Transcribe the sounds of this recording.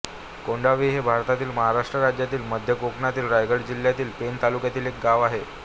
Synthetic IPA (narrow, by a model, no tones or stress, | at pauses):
koɳɖaʋiːɦebʱaɾt̪at̪iːlməɦaɾaʂʈɾəɾad͡ʑjat̪iːlməd̪ʱjəkoknat̪iːlɾajɡəɽd͡ʑil̤ːjat̪iːlpent̪alukjat̪iːlek̚ɡaʋaɦe